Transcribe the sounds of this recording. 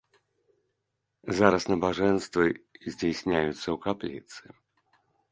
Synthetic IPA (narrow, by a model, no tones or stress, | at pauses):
zaɾɐsnɐbaʐɛnst̪vɨzʲd͡zʲesʲnʲajut̪sːɐwkaplʲḭt̪sɨ